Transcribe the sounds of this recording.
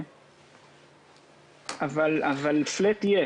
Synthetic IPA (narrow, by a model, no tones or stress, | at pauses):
avalavaliflet̪ije